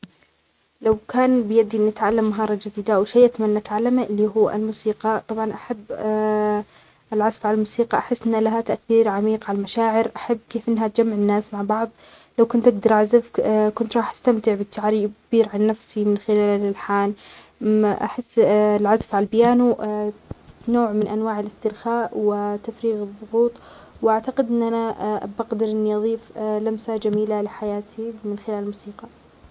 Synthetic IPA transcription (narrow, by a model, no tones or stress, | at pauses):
lawkaːnbɪjad̪ːiʔɪnːɪt̪ʕalːamːaɦɑːɾˤɑd͡ʒɪd̪iːd̪awʃajʔat̪amanːaʔat̪ʕalːamaʔɪlːiːɦuːa̰lmusiːqɑt̪ˤɑbʕɑnʔaħabː | ʔɪlʕazfʕalalmuːsiːqɑʔaħɪsːʔɪnːlaɦat̪aʔθiːɾʕamiːqʕalalmaʃaːʕɪɾʔaħabːkeːfʔɪnːɦat̪̚d͡ʒamːaʕɪnːaːsmaʕbɑʕðˤlawkʊnt̪ʔaɡd̪ɑɾˤʔʕazafkʊnt̪ɾˤɑːħʔḁst̪amt̪ɪʕbɪt̪ːaʕɾiːbkbiːɾʕanːafsimɪnxɪlaːllɪlħaːn | ʔa̰ħɪsːlʕazafʕalalbɪjaːnu | noːʕmɪnʔanwaːʕɪlɪst̪ɪɾxaːʔwɪt̪afɾiːɣɨðˤːʊɣuːt̪ˤwʔaʕt̪aqɪd̪ʔɪnːʔanabaɣd̪ɪɾʔɪnːiʔɑðˤiːflamsad͡ʒamiːlalɪħajaːt̪ʰimɪnxɪlaːlmuːsiːqɑ